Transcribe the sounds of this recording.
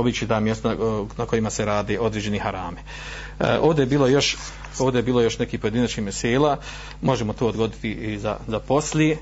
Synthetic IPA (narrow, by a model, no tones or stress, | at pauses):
obit͡ʃit̪aːmjest̪anako̞imaseɾaːd̪eʔo̞d̪ɾeːd͡ʒe̞nehaɾaːme | ʔoːvd̪ejebiːlo̞jo̞ʃ | o̞ːʋd̪eebiːlˠo̞jo̞ʃne̞kiːpoed̪inat͡ʃnihmjeseːlaː | mo̞ʒemot̪oːd̪ɡo̞d̪it̪iiza̰zapo̞slje